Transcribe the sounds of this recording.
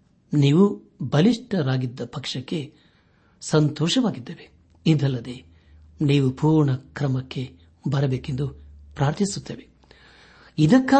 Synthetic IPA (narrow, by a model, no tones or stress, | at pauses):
niːʋu | bɐliʂʈɐɾaːɡid̪ːɐpɐkʂɐkːe̞ | sɐnt̪ɔːʂɐʋaːɡid̪ːeːʋe | id̪ɐlːɐd̪e̞ | niːʋupuːɾɳɐkɾɐmɐkːe̞ | bɐɾɐbeːke̞nd̪upɾaːɾt̪ʰisut̪ːeːʋe | id̪ɐkːaː